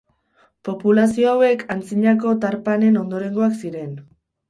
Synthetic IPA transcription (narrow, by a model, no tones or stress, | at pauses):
po̞pulasio̞awe̞kʰant͡siɲako̞t̪aɾpane̞no̞nd̪o̞ɾe̞ŋɡoaksiɾe̞n